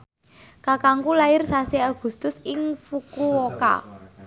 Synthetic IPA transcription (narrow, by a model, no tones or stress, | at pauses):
kakaŋkulaɪrsaseaɡ̥ṳst̪ʊsɪŋfukuwoka̰